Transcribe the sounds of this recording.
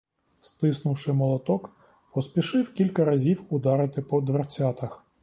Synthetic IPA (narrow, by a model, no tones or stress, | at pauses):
st̪ɪsnʊwʃɪmɔlˠɔt̪ɔk | pɔspʲiʃɪwkʲilʲkɐɾɐzʲiwʊd̪ɑɾɪt̪ɪpɔd̪ʋert͡sʲɑt̪ɐx